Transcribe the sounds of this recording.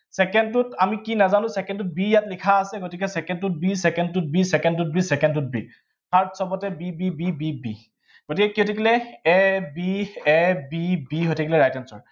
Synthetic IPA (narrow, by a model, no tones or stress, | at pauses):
sɛkɛntʊtamikinazanʊ̃sɛkɛntut̚bijatlikʰaːsɛɡotikɛsɛkɛntut̚bisɛkɛntut̚bisɛkɛntut̚bisɛkɛntut̚bḭ | tʰaɹtʰsɔbɔtɛbibibibibḭ | ɡ̥otikɛkiotʰikilɛɛbiɛbibiɦojtʰikilɛɹajtɛnsɔɹ